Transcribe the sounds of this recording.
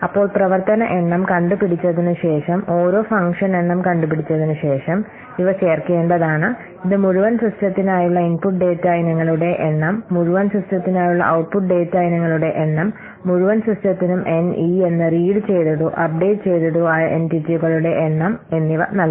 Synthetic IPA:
ɐpːo̞ːɭprɐʋɐrt̪ɐnɐʔe̞ɳːɐmkɐɳɖupiɽit͡ɕːɐðinɨɕe̞ːʂɐmo̞ːɾo̞ːfɐŋkʂɐne̞ɳːɐmkɐɳɖupiɽit͡ɕːɐðinɨɕe̞ːʂɐm | iʋɐt͡ɕe̞ːrke̞ːɳɖɐðaːɳɨ | iðɨmuɻuʋɐnsrɐstjɐt̪ːinaːjuɭːɐinpuʈ̚ɖe̞ːtːajnɐŋːɐɭuɽe̞ʔeɳːɐmːuɻuʋɐnsɐstjɐt̪ːinaːjuɭːɐ̰ʔɐwʈpuʈ̚ɖe̞ːtːaːjnɐŋːɐɭuɽe̞ʔenːɐmː | uɻuʋɐnsrɐstjɐt̪ːinumʔe̞nie̞nːɨriːɽɨt͡ɕe̞jt̪ɐðuʔɐp̚ɖe̞ːʈɨt͡ɕe̞jt̪ɐðuaːʔenʈitːiuɣɐɭuɽe̞ʔenːɐme̞nːiʋɐnɐlk

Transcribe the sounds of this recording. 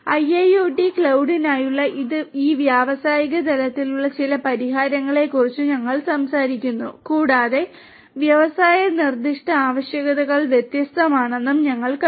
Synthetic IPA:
ɐjɐjoːɖikɭɐwɖinaːjuɭːɐʔiðɨiːʋjaːʋɐsaːjiɣɐd̪ɐlɐt̪ːiluɭːɐt͡ɕilɐpɐɾiɦaːɾɐŋːɐɭe̞kːurit͡ɕːuɲɐŋːɐɭsɐmsaːɾikʲːunːṵkuːɽaːðe̞ | ʋjɐʋɐsaːjɐnird̪iʂʈɐaːʋɐɕjɐɣɐðɐɣɐɭʋjet̪jɐst̪ɐmaːɳe̞nːumɲɐŋːɐɭk

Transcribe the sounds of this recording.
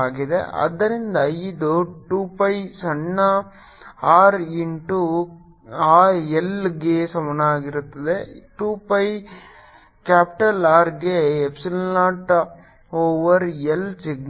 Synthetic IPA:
aːɣɪðɯ̰ʔɐ̰d̪ɐɾɪnd̪ɐjd̪oʈuːpɐjsɐɳːa | aːɾinʈu | aːɛlɡeːsɐmɐnaːɣɪɾɯt̪ːɐðɯʈuːpɐj | kaːpʈɐlaːɾɡeːɛpsɪlnaːʈːɐ | oːʋɐɾɛlsɪɡn

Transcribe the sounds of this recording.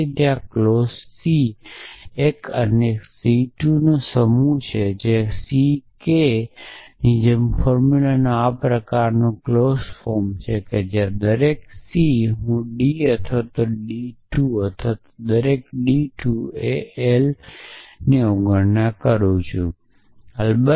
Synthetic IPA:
t̪jãklossi | ekʰəneksiʈunõsəmut͡ʃʰed͡ʒesike | nid͡ʒemfɔɾmulənoapɾəkaɾnũklosfoɾmt͡ʃʰeked͡ʒjãd̪əɾeksiɦũɖiət̪ʰʋat̪oɖiʈuət̪ʰʋat̪od̪əɾek̚ɖiʈʰueel | neoɡəɾnakəɾũt͡ʃʰũ | əlbə

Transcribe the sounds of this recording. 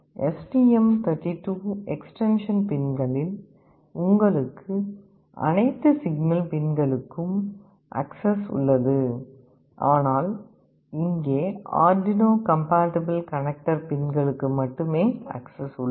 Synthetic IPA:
ɛsʈiːɛmt̪ʰɐɾʈːiʈːuːɛksʈɛnʂɐnpɪnɡɐɭɪl | ʊŋɡɐɭɯkʰːɯ | ʔɐ̰nɐɪt̪ːɯsɪɡnɐlpɪnɡɐɭɯkːɯm | ʔɐ̰ksɐsʊ̰ɭːɐðɯ | ʔaːnaːl | ɪŋɡeːa̰ːɾɖɪnoːkɐmpaːʈɐbɐlkɐnɛk̚ʈɐɾpɪnɡɐɭɯkːɯmɐʈːɯmeːɐ̰ksɐsʊɭːɐ

